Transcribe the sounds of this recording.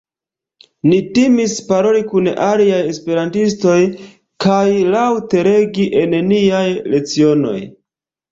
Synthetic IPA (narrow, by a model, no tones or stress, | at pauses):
nitimispaɾo̞likunaliaje̞spe̞ɾantisto̞j | kajlawte̞ɾe̞ɡiʔe̞neniajle̞t͡sio̞no̞̰j